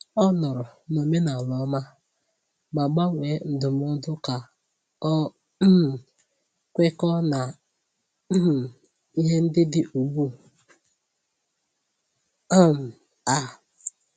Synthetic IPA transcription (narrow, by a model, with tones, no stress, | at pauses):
ɔ˦nɔ˨ɾʊ˨no˨me˦na˨lɔ˨˦ma˦ | ma˨ɡ͡ba˦ŋʷe˨˦n̩˨dʊ˨m˦ʊ˦dʊ˦ka˨ | ɔ˦˨ | kʷe˦kɔ˦na˨˦˨ | i˦ɦe˦n̩˦dɪ˦dɪ˦ʔu˨ɡ͡bu˦ | m˨ | a˨